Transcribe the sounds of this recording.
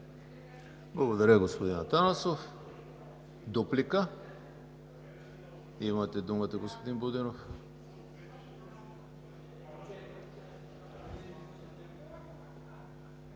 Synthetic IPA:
blˠaɡod̪aɾaɡospod̪inat̪anasof | d̪oplika | imat̪ɛd̪umat̪aɡospod̪inbod̪ɛnof

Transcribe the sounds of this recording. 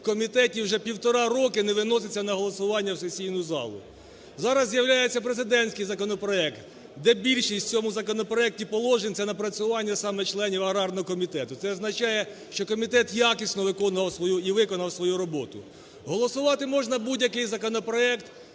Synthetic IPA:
kɔmʲit̪ɛtʲiwʒɛpʲiwt̪ɔɾɑɾɔkɪnɛʋɪnɔsɪt͡sʲːɐnɐɦɔlˠɔsʊʋɑnʲːɐwsesʲijnʊzɑ̰lˠʊ̰ | zɑɾɐzːjɐwlʲajet͡sʲːɐpɾezɪd̪ɛnʲsʲkɪjzɐkɔnɔpɾɔɛkt̪ | d̪ɛbʲilʲʃisʲt͡sʲɔmʊzɐkɔnɔpɾɔɛk̚tʲipɔlˠɔʒenʲt̪ʲɛnɐpɾɐt͡sʲʊʋɑnʲːɐsɑmɛt͡ʃlˠɛnʲiwɐɾɑrnɔɦɔkɔmʲit̪ɛt̪ʊsɛɔznɐt͡ʃɑjɛ | ʃt͡ʃɔkɔmʲit̪ɛt̪jakisʲnɔʋɪkɔnʋɐwsʋɔjuiʋɪkɔnɐwsʋɔjuɾɔbɔt̪ʊ̰ | ɦɔlˠɔsʊʋɑt̪ɪmɔʒnɐbudʲjɐkɪjzɐkɔnɔpɾɔɛkt̪

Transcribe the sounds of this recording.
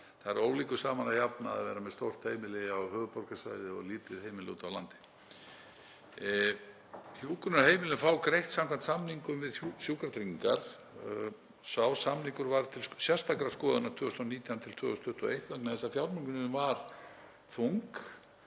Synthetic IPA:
θaɾoːwliːkʏsaːmanaçapna̰ːðvɛːɾamɛðst̪owr̥t̪heːjmɪlɪawhœːɣpɔr̥kasva̰ːjðɪɔ̰ɣliːt̪ɪðhejmɪlɪṵːt̪awla̰nt̪ɪ̥ | hjuːkʏɾnaɦeːjmɪlɪfaːwkɾejht̪samkʰvant̪samniŋkʏmvɪðsjuːkɾat̪ɾiŋiŋkaɾ̥ | sawsamniŋkʏɾvaɾt̪ʰɪlsjɛ̥st̪akɾḁskɔːðʏnḁt̪ʰʏːɔst̪ɔniːt̪jant̪ʰɪlt̪ʰvʏːɔst̪ʰʏht̪ɔ̰ejht̪laknaθɛsafjawɾmiŋkʏnɪnmvaɾ̥ | t̪ʰuŋk

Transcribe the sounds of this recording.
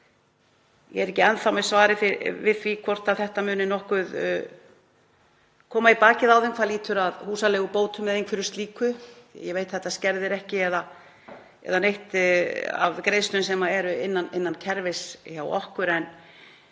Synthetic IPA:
jɛ̰ɛɾɛhcɪɛnθawmɛsvaːɾɪfɪɾvɪðθvikʰvɔr̥t̪avθɛht̪amʏːnɪnɔhkʏð | kʰɔːmaipaːcɪðawðɪnkʰvaɾliːt̪ʏɾaðhuːsalɛɣʏpoːwt̪ʏmːɛðejŋkfɪɾʏst̪liːkʏ̰jɛvejt̪θɛht̪ascɛɾðɪɾɛhcɪɛða | ɛ̰ðanejht̪a̰vkɾeːjst̪ʏns̬ɛmaɛɾʏɪnːanɪnːancʰɛɾvɪsçawɔ̰hkʏɾɛn

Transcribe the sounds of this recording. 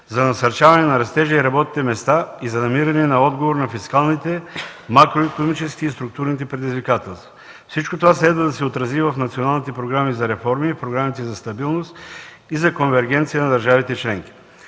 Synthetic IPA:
zɐnɐsɐɾt͡ʃavɐnɛnɐɾɐst̪ɛʒɐiɾɐbɔt̪i̥t̪ɛmɛst̪aizɐnɐmiɾɐnɛnɐɔd̪ɡovoɾnɐfiskalˠnit̪ɛmakɾoɛkonomit͡ʃɛskiist̪ɾuk̚t̪uɾnit̪̬ɛpɾɛd̪izvikat̪ɛlˠst̪vɐ | fsit͡ʃkot̪ovaslɛd̪vɐd̪ɐsɛot̪ɾɐzivɐfnɐt̪sionalˠnit̪ɛpɾoɡɾamizɐɾɛfɔɾmifpɾoɡɾamit̪ɛzɐst̪ɐbilˠnost̪ | izɐkonvɛɾɡɛnt̪sijɐnɐd̪ɐɾʒavit̪ɛt͡ʃlɛŋk̟i̥

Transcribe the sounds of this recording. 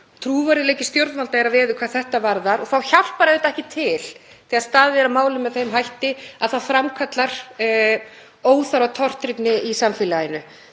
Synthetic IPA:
t̪ʰɾuːvaɾɪlejcɪst̪jowɾðmalt̪aɛɾavɛːðʏkʰvaːðθɛht̪avaɾðaɾɔθawçal̥paɾaðɛt̪ɛhcɪt̪ʰɪl̥ | ɪast̪aːðvɛɾamaːwlʏmːɛðθejmɦajht̪ɪaðθaðfɾamkʰat̪laɾ̥ | oːwθaɾawt̪ʰɔr̥t̪ɾɪpnɪisamfɪlaɪnʏ

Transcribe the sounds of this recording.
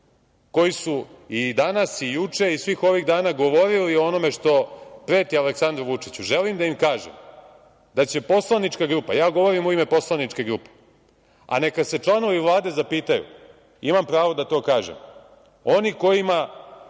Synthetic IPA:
ko̞jisuid̪anasijut͡ʂe̞isʋiːxo̞ʋiɣd̪aːnaɡo̞ʋo̞ɾilioono̞me̞ʂt̪o̞pɾeːt̪ialeksand̪ɾuʋut͡ʂit͡ɕuʒelimd̪aimkaːʒḛm | d̪at͡ɕe̞po̞slˠanit͡ʂkaɡɾupa̰jaːɡo̞ʋo̞ɾimuime̞po̞slˠanit͡ʂke̞ɡɾupe̥ | a̰ne̞kad̪se̞t͡ʂlˠano̞ʋiʋlˠaːd̪e̞zapiːt̪ajṵ | imampɾaːʋo̞d̪at̪o̞ːkaːʒḛm | o̞niko̞jima

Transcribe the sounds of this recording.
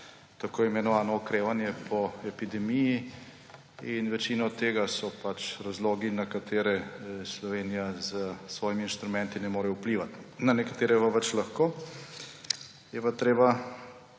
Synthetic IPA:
t̪akoːimɛnɔʋaːnɔɔkɾeːʋanjɛpʰɔɛpid̪ɛmiji | inʋɛt͡ʃinɔt̪eːɡasɔpat͡ʃɾazloːɡinakat̪ʰeːɾɛslɔʋeːnijazəsʋɔːjimiːnʃt̪ɾumɛ̃nt̪inɛmoːɾɛupliːʋat̪nanɛkat̪eːɾɛpaʋɛt͡ʃlaxkoː | jɛpat̪ɾeːba

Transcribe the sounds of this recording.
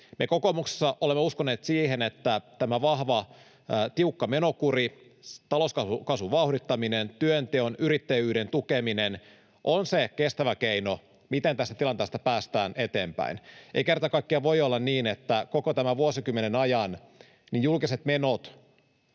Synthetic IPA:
meko̞komukse̥sːɑʔolemːeuskone̞ːt̪siːɦe̞net̪ːæt̪æmæʋɑhʋɑ | t̪iukːɑmeno̞kuri | t̪ɑloskɑkɑsuʋɑuhɾit̪ːɑminent̪yønt̪eonyɾit̪ːejyːɾent̪ukeminen | ʔonsekest̪æʋækeino | mit̪ent̪æst̪æt̪ilɑnt̪eːst̪ɑpæːst̪æːnʔe̞t̪e̞ːmpæ̰inḛikert̪ɑkɑikːiɑʋo̞jolːɑnniːnet̪ːækokot̪æmæʋuosikymːenenɑjɑn | nijjulkiset̪me̞not̪

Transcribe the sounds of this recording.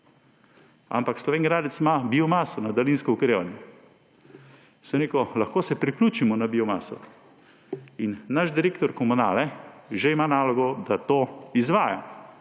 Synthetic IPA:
a̰mpakslɔʋeːŋɡɾaːd̪ɛt̪smabiɔmaːsɔnad̪alinskɔukɾeːʋanjɛ | səmɾeːkɔlaxkoːsɛpɾikluːt͡ʃimɔnabiɔmaːsɔ̰ | inːaʃd̪iɾeːkt̪ɔɾkɔmunaːlɛʒeimaːnaːlɔɡɔd̪at̪oːizʋaːja̰

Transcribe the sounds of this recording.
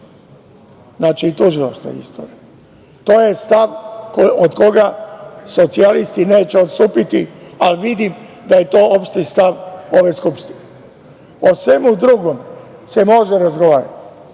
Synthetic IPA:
znaːt͡ʃiːt̪uʒila̰ʃt̪ʋa̰ḭst̪o̰ːɾij | t̪o̞ːjest̪aʋkod̪ko̞ɡaso̞t̪sialist̪ine̞ːt͡ɕeo̞t̪st̪uːpit̪ialʋid̪im | d̪aje̞t̪o̞ːopʃt̪ist̪aʋo̞ʋe̞skupʃt̪ine | osʋe̞mud̪ɾuɡo̞mse̞mo̞ʒeɾazɡoʋaːɾa̰t̪i̥

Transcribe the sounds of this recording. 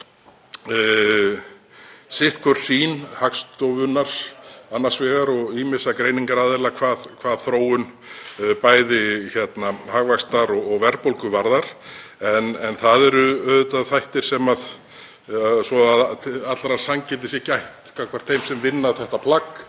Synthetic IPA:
sɪht̪̚kʰvœɾ̥siːnhakst̪ɔwvʏnːaɾ̥anːḁsvɛːɣaɾɔɣimɪsakɾeːjniŋkaɾaːðɪɾlakʰvaːðkʰvaːðθɾoːwʏn | paːjðɪçɛt̪nahaɣvakst̪aɾɔɔɣvɛɾpolkʏvaɾðaɾ̥ɛnɛnθaðɛɾʏœːðʏt̪aðθajht̪ɪɾ̥sɛmað | svɔaðat̪lɾḁsaŋcɛt̪̬ɪsjɛcajht̪kʰakʰvaɾ̥t̪ʰθejmsɛmvɪnːaθɛht̪apʰlak

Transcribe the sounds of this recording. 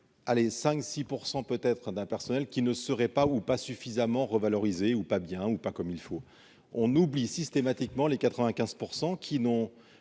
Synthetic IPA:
alesɛ̃ksipuʁsɑ̃pøt̪ɛt̪χd̪ɛ̃pɛʁsɔnɛlkʲinəsəʁɛpaupasyfizamɑ̃ʁəvalɔʁizeupabjɛ̃upakɔmilfo | ɔ̃nublisist̪emat̪ikmɑ̃lekat̪χəvɛ̃kʲɛ̃z̥puʁsɑ̃kʲʰinɔ̃

